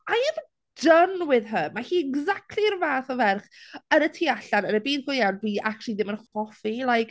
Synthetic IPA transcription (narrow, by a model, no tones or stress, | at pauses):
ajɛv | dənwɪðɦəmahiːɛɡzak̚tʰlirvaːθɔvɛrχənətʰiaɬanənəbiːdɡʊjawnbiːʔakt͡ʃlˠiðɪmənχɔfilˠajk